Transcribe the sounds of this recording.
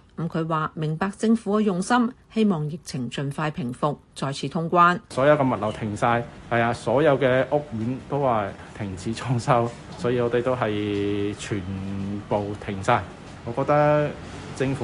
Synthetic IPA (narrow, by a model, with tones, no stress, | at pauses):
m̩˨˥kʰɵ˨˧ɥwaː˨mɪ˨˩ŋpaː˧k̚t͡sɪ˧ŋfuː˨˥kɛ˧jʊ˨ŋsɐ˥mhe˥jmɔː˨ŋjɪ˨k̚t͡sʰɪ˨˩ŋt͡ʃɵ˨nfaː˧jpʰɪ˨˩ŋfʊ˨k̚t͡sɔː˨jt͡sʰiː˨˥t̪ʰʊ˥ŋkʷaː˥nsɔː˨˥jɐ˧wkɛː˧mɐ˨t̚lɐ˨˩wt̪ʰɪ˨˩ŋsaː˧jhɐ˨jaː˧sɔː˨˥jɐ˨˧wkɛː˧ʔʊ˥k̚jyː˨˥nt̪o˥wwaː˨t̪ʰɪ˨˩ŋt͡sʰiː˨˥t͡ʃʰɔː˥ŋsɐ˥w | sɔː˨˥jiː˧ŋɔː˨˧t̪e˨jt̪o˥wɦɐ˨jt͡ʃʰyː˨˩npo˨wt̪ʰɪ˨˩ŋsaː˧j | ŋɔː˨˧kɔː˧k̚t̪ɐ˥ | t͡sɪ˧ŋfu˨˦